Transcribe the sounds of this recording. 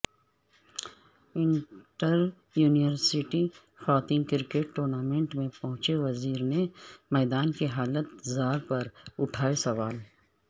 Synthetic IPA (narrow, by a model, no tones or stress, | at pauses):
ɪ̃ɳʈəɾ | juːniʋəɾsɪʈi | xaːt̪ɪ̃ŋɡkɪɾkeːʈːoːɾnaːmẽːɳʈmẽpɐɦʊ̃t͡ʃeʋɐziːɾnemɛːd̪aːnkiɦaːlət̪zaːɾpɐɾʊʈʰaːesɐʋaːl